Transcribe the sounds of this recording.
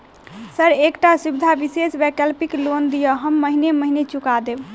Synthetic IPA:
səɾekʈasubid̪ʱabisesbɛkəlpiklond̪ijəɦəmːəɦineməɦinet͡ʃukad̪eb

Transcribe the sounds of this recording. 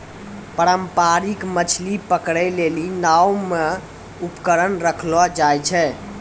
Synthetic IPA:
pəɾəmpaɾikmət͡ʃʰlipəkɽɛlelinawme | upkəɾənɾəkʰlɔd͡ʒajt͡ʃʰɛ

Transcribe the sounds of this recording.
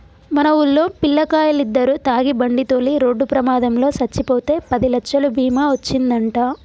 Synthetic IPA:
mɐnɐulːo̞ːpilːɐkaːjɐlid̪ːɐɾut̪aːɡibɐɳɖit̪o̞ːliɾo̞ːɖːupɾɐmaːd̪ɐmlo̞ːsɐt͡ʃːipoːt̪e̞ːpɐd̪ilɐkʂɐlubʱiːmaːʋot͡ʃːind̪ɐɳʈaː

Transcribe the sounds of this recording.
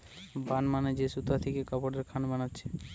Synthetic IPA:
banmaned͡ʑesut̪ɾat̪ʰekekɔpoɖeɾkʰanbanatːɕʰe̥

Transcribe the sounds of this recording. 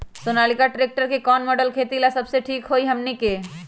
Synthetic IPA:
sonalikaʈɾek̚ʈəɾkekɔːnmɔɖəlkʰet̪ilasəbseʈʰiːkɦoiɦəmnike

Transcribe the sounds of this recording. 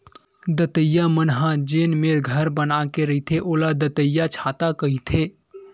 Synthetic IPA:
d̪ət̪əjːamənɦãd͡ʒeːnmeːɾɡʱəɾbənakeɾɐɦit̪ʰeʔoːlad̪ət̪əjːat͡ʃʰaːt̪akɐɦit̪ʰeː

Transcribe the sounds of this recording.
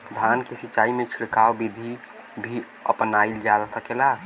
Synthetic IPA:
d̪ʱaːnkesitːt͡ʃːaːimẽt͡ʃʰɪɽkaːwbid̪ʱi | bʱi | əpnaːild͡ʒalsəkela

